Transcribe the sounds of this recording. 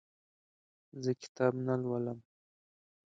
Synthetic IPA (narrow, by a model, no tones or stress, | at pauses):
zəkɪ̥t̪ɑbnalwaləm